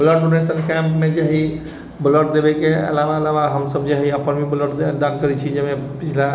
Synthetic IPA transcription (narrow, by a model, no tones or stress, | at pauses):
bələʈɖonesənkɛmpmẽd͡ʒaɦi | bələʈ̚d̪ebekeə̰laʋaəlaʋaɦəmsəbd͡ʒaɦiəpənmibələʈd̪d̪ankəɾit͡ʃʰid͡ʒemẽpit͡ʃʰla